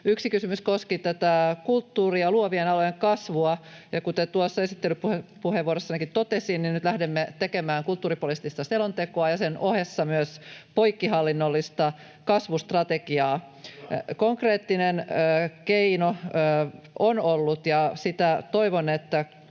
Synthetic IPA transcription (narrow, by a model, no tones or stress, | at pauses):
yksikysymyskoskit̪æt̪ækult̪ːuːriɑluoʋienɑlojeŋkɑsʋuɑjɑkut̪et̪uɑsːɑesit̪ːelypuhepuheʋʋuoɾesːɑnekit̪t̪ot̪esiːnninnyt̪læhdemːet̪ekemæːŋkult̪ːuːripolist̪ːist̪ɑselont̪ekoɑjɑsenʔohesːɑmyøspoikːiɦɑlːinːolːist̪ɑ | kɑsʋust̪rɑt̪ekiɑː | koŋkreːt̪ːinenːkeinoː | onolːut̪jɑsit̪æt̪oiʋonet̪ːæ